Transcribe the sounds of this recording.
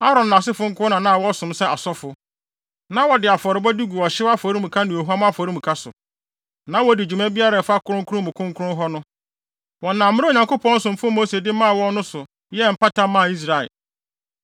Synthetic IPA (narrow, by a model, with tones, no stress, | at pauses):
a˦ɾɔ̃˨nː˨a˨s̬ɪ˦fʊ˦ŋ̩˦kʰʊ˦nã˨nã˦˨wɔ˦sʊ̃˨msɛ˦a˨sɔ˦fʊ˨ | nã˦wɔ˨dɪ˨a˨fɔ˨ɾɪ˨bɔ˦du˦ɡu˨wɔ˨ɕɪ˦a˦fɔ˨ɾi˦mũ˨kʰa˦nʊ̃˨o˨ɦu˦a˦m˦a˦fɔ˨ɾĩ˦m̩ũ˨kʰa˦sʊ̰˨ | nã˦wɔ˦dɪ˨d͡ʑᶣu˨mã˦bi˦a˦ɾa˨fa˦kʰʊ˦ɾʊ̃˦ŋkʰʊ˦ʊ̃˦mʊ̃˨kʰʊ̃˦ŋkʰʊ˦ɾʊ̃˦ɦɔ˦nʊ̃˦ | wɔ˨nã˨m̩˦mɪ̃˦o˨ɲã˨ŋko˦pʰɔ̃˦n̩˦sʊ̃˨m˨fʊ˦moː˦se˨dɪ˦mã˦˨wɔ̃˦nʊ̃˦sʊ˨ | jɛ˦m̩˨pa˦tʰã˦mːã˦˨i˦s̬ɾa˨ɛ̰˨